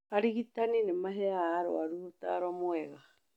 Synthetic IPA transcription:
aɾiɣitaninemaɦeaɾo̰aɾuota̰ɾoamoeɣa

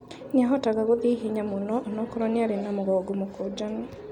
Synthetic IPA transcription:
niaɦɔtaɣaɣoðiɦiɲamonɔnɔkɔɾɔniaɾenamoɣɔːɡomokod͡ʒana

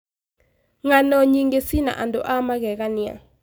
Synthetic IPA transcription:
ŋanɔɲiŋɡesina̰ʔandoʔamaɣɛɣanɪa̰

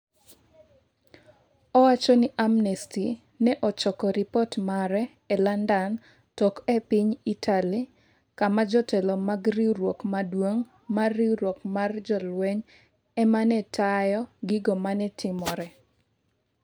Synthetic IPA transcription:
ɔwat͡ʃɔnɪʔamnɛsti | nɛʔɔt͡ʃɔkɔɾipɔtmaɾɛ | ɛlandan | tɔkɛpiɲitʰali | kamad͡ʒɔtɛlɔmaɡɾiɾwokmadwoŋ | marːiɾwokmard͡ʒɔlwɛɲ | ɛmanɛtajɔɡɪɡɔmanɛtʰɪmɔɾɛ

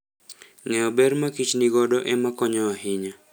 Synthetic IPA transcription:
ŋɛɔbɛɾmakit͡ʃniɡɔdɔʔɛmakɔɲɔwahiɲa

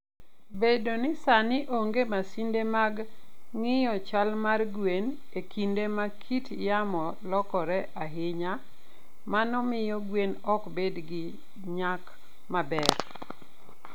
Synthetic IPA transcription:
bedonɪsanɪʔoŋɡemasindemaɡŋɪjɔt͡ʃalmarɡwen | ekʰindemakʰitjamɔ | lɔkɔɾɛʔaɦɪɲa | manɔmɪjɔɡwenɔkbedɡɪ | ɲak | mabɛr

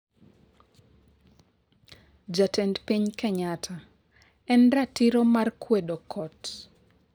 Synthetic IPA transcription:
d͡ʒatɛntpiɲkɛɲatʰa | ɛnɾatiɾomarkʰwedokʰɔt

